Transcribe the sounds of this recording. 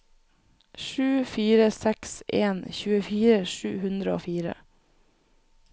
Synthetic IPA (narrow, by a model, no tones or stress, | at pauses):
ʃʉːfiːɾəsɛksʔeːnçʉːəfiːɾəʃʉ̰ːhʉnd̪ɾəoːfiːɾə̰